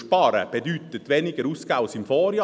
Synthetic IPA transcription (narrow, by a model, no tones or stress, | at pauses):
ʃpɑːɾə̰b̥ɛdyt̪ət̪ʋɛnɪɡəɾusɡaʊsɪmfɔːɾjɑ